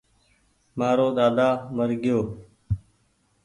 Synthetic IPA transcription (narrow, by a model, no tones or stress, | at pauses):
maːɾoːɗ̪aːd̪aːməɾɡɪjoː